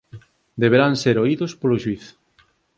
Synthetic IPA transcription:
d̪eβ̞eɾanseɾoiðʊspoloʃwiθ

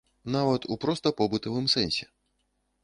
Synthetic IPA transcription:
navɐt̪upɾɔst̪ɐpɔbɨt̪ɐvɨmsɛnʲsʲɛ

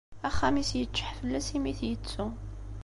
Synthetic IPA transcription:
æχːæmisjət͡ʃːə̥ħfəlːæsimiθjət͡sːu

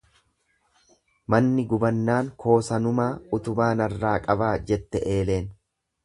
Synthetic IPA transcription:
mɐnːɪɡʊbɐnːaːŋkʰo̞ːsɐnʊmaːʊt̪ʊbaːnɐrːaːkʼɐbaːd͡ʒɛt̪ːɛʔe̞ːle̞ːn

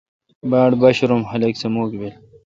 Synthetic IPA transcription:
baːɽbɐɕɾomhɐlɐksemoːkbel

